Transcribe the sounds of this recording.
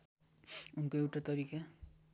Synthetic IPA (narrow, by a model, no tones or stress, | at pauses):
unkoewʈat̪ʌɾika